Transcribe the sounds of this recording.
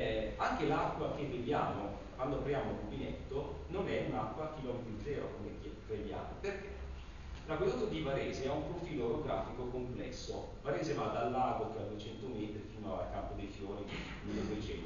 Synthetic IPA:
aŋkelakːwak̟evːevjaːmo | kwand̪oapɾjaːmoimobinɛt̪ːononɛunakːwakilɔmvind͡ʒ̪ɛːɾakomeke | ɾevja̰ːmoperk̟e | lakolot̪ːad̪ivaɾeːzeɛumpɾofiːloɾoɡɾa̰ːfikokomplɛ̰sːo̰ | vaɾeːzevad̪alːaːd̪okad̪uet͡ʃɛnt̪omeːt̪ɾifiːnaa̰lkampod̪ejfjoːɾi | milːed̪uwet͡ʃɛn

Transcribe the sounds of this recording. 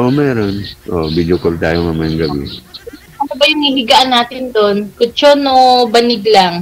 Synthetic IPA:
ʔomɛːɾonʔobid͡ʒokɐlt̪aːjoŋɐmanɡɐbɪ̰ | ʔɐnobɐjʊŋhɪhɪɡaʔɐnːaːt̪ɪnd̪onkʊt͡ʃonobɐnɪɡlaŋ

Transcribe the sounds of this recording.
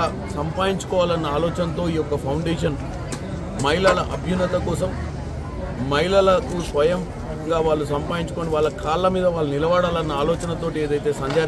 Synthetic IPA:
ɐ | sɐmpaːjiɲt͡ʃu̥kɔːʋaːlɐnːɐaːlɔːt͡ʃɐnt̪o̞ːiːjɔkːɐpʰɐwɳɖeːʂɐn | mɐilɐlɐʔɐbʱjunːɐt̪ɐkɔːs̬ɐm | mɐjlɐlɐkusʋɐjɐm | ɡaːʋaːɭːusɐmpaːjiɲt͡ʃuko̞ːniʋaːɭːɐkaːlːɐmiːd̪ɐʋaːɭːunilɐʋaːɽaːlɐnːɐaːlɔːt͡ʃɐnɐt̪oːʈieːd̪ɐjt̪e̞ːsɐɲt͡ʃaː

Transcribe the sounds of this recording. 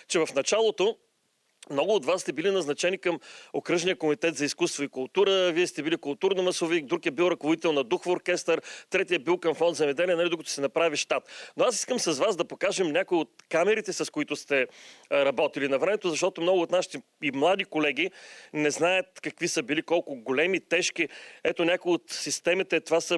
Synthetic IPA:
t͡ʃɛvɐfnɐt͡ʃalˠot̪o | mnɔɡʊːt̪vasːt̪ɛbilinɐznɐt͡ʃɛnikɐmokɾɤʒnijəkomit̪ɛt̪zɐiskust̪voikʊlˠt̪uɾəviɛst̪ɛbilikʊlˠt̪uɾnomɐsovik̚d̪ɾukɛbilˠɾɐkovod̪it̪ɛlˠnɐd̪uxfoɾkʲɛst̪əɾt̪ɾɛt̪iɛbilˠkɐmfɔnd̪zɛmɛd̪ɛlʲiɛnɐlid̪okət̪o̥sɛnɐpɾaviʃt̪at̪noasi̥skəmsɐzvazd̪ɐpokaʒɛmnʲakoiot̪̚kamɛɾit̪ɛsɐskoit̪ʊst̪ɛɾɐbɔt̪ilinɐvɾɛmɛt̪ozɐʃt̪ɔt̪omnɔɡʊoːt̪naʃit̪ɛ | imlˠad̪ikolɛɡ̟inɛznaət̪kɐkvisəbilikɔlˠkʊɡolɛmit̪ɛʃkiɛt̪onʲakʊiot̪sist̪ɛmit̪ɛt̪ovasɐ

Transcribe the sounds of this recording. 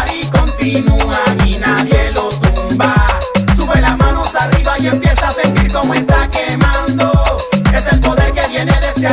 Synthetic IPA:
ɾikont̪inuainaðjelot̪umba | suβelasmãnosariβaie̞mpje̞saase̞nt̪iɾko̞moest̪akemãnd̪oe̞selpo̞ðeɾket̪jeneðeska

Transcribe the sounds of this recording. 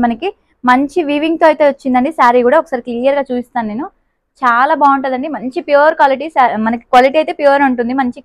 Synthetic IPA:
mɐnɐki | mɐɲt͡ʃiʋiːʋiŋɡ̚t̪oːɐjt̪e̞ːʋɐt͡ʃːind̪ɐɳɖisaːɾikuːɽaːɔkːɐsaːɾekliːjɐɾɡaːt͡ʃuːsist̪aːnune̞ːnu | t͡ʃaːlaːbaːuɳʈɐd̪ɐɳɖimɐɲt͡ʃipjuːɾkʋaːliʈ̬iːsaːmɐnɐki̥kʋaːliʈiːɐjt̪e̞ːpjuːɐɾɐɳʈund̪imɐɲt͡ʃi

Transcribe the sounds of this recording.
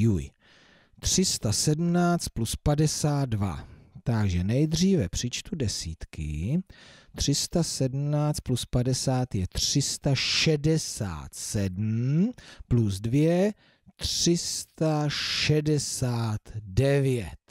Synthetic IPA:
juj | t̪r̥ɪst̪asɛdm̩naːt͡st̪̚pluspadɛsaːt̪̚dva̰t̪aɡʒɛnɛjd̪r̝iːvɛpr̝̥ɪt͡ʃt̪udɛsiːt̪kɪ̰ | t̪r̝̥ɪst̪asɛdm̩naːt͡st̪̚pluspadɛsaːt̪jɛt̪r̥ɪst̪aʃɛdɛsa̰ːt̪sɛdm̩pluzdvjɛ | t̪r̥ɪst̪aʃɛdɛsaːt̪dɛvjɛt̪

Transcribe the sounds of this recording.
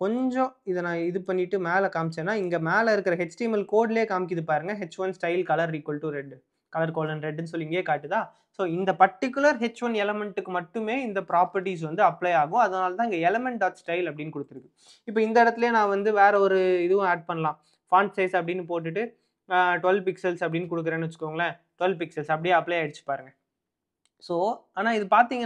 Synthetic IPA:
kɔɲd͡ʒõɪðɐnãːɪðɯpɐɳːɪʈːɯmeːlɐkaːmɪt͡ʃːẽːnːaːɪŋɡɐmeːlɐɪɾɯkːɪɾɐɦɛt͡ʃʈɐɪmɐlkoːɖleːkaːmɪk̬ːɪðɯpːaːɾɯŋɡɐɦɛt͡ʃːʋɐnsʈɐɪlkɐlɐɾːiːkːɔlʈːɯɾɛɖː | kɐlɐɾkoːlɐnɾɛɖːɛnːs̬ɔlːiŋɡɐeːkaːʈːɯt̪aː | soːɪnd̪ɐpɐʈːɪk̬ʲːʊlɐɾɦɛt͡ʃːʋɐnɛlɛmɛɳʈɯkːɯmɐʈːɯmeːɪnd̪ɐpɾaːpɐɾʈis̬ʋɐnd̪ɯɐpːlɐɪaːɣʊ̃ɐðɐnaːlɐt̪ãːɪŋɡɐɛlɐmɛɳʈaːt̪sʈɐɪlɐpːɐɽɪnːɯkɔɽɯt̪ːɯɾɯkːɯ | ɪpːoːɪnd̪ɐɪɽɐt̪ːɪleːnãːʋɐnd̪ɯʋeːɾɐɔɾɯɪðɯʋʊ̃eːɖ̚pɐɳːɐlãː | faːɳɖsɐɪsɐp̬ːɐɽɪnːɯpoːʈ̬ːɯʈːɯ | ʈʋɛlpɪksɐlsɐpːɐɽɪnːɯkɔɽɯk̬ːɯɾẽːnːɯʋɐt͡ʃːɯ̥kːɐʋɐŋɡɐlɐʈʊʋɛlpɪksɐlsɐp̬ɐɽɪjeːɐpːɭɐjɪɽɯt͡ʃːɯ̥pːaːɾɯŋɡɐ | soːaːnaːɪðɯpaːɾt̪iːŋɡɐ

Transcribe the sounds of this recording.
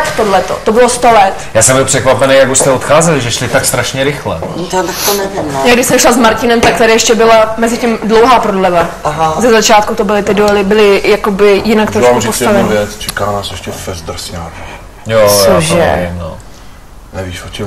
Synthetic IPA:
kt̪odlɛt̪o̞̰t̪o̞bɪlost̪olɛt̪jaːsɛmbɪlˠpr̥ɛkvapɛnejakust̪ɛot̪xaːzɛlɪʒɛʃlɪt̪akst̪ɾaʃɲɛɾɪxlɛat̪akt̪onɛvɪmjaːɡdɪʃsɛmʃlazmaɾcɪnɛmt̪ak̚t̪aɾɪjɛʃcɛbɪlamɛzɪcimdlo̞wɦaːpɾodlɛvaɦzɛzat͡ʃaːt̪̚kut̪obɪlɪt̪ɪdoɛlɪbɪlɪjako̞bɪjɪnakt̪ɾoʃkkupost̪avɛnɲvɛt͡st͡ʃɛkaːnaːsjɛʃcɛfɛzd̪r̩saːv | josjaoʒɛ̰imno̰ | nɛviːʃot͡ʃɛ

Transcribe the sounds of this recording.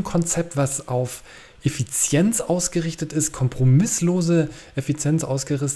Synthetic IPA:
nkʰɔnt͡sɛp̚tv̥asʔaʊf | ʔefit͡sjɛnt͡sʔaʊsɡ̥əʁɪçtətɪst̚kʰɔmpʁ̥omɪsloːzəʔefit͡sjɛnt͡sʔa̰ʊsɡ̥əʁɪs

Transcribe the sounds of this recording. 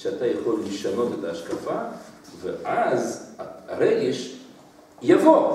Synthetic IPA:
ʃeat̪ajaχolːiʃano̞t̪et̪aːʃkafaveʔazaaɾeɡeʃ | javo

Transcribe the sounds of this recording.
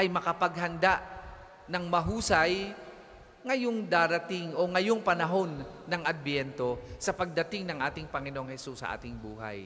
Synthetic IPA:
ʔɐjmɐkɐpɐɡ̚ɦɐnd̪aʔ | nɐŋmɐɦuːsɐj | ŋɐjoŋd̪aːɾɐt̪ɪŋo̞ŋɐjoŋpɐnɐɦo̞nːɐŋɐd̪̚bjɛnt̪o̞sɐpɐɡ̚d̪ɐt̪ɪŋnɐŋʔaːt̪ɪŋpɐŋɪnoʔoŋhɛsusːɐ̰ʔa̰ːt̪ɪŋbuːɦa̰j

